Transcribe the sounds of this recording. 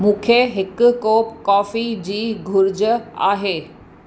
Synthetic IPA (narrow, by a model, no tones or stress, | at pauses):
mũːkʰeɦɪkʊ̆koːpkɔːfid͡ʑiːɡʱʊɾd͡ʑəa̰ːɦeː